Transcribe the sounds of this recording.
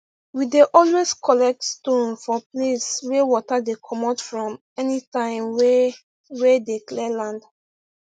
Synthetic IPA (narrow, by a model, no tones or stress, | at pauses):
wideʔɔlweskʰɔlɛk̚tstõnfɔplesɹewɔtadekʰɔmɔtfɹɔ̃m | ɛnitãɪ̃mwɛ | wɛdeklɛlãnd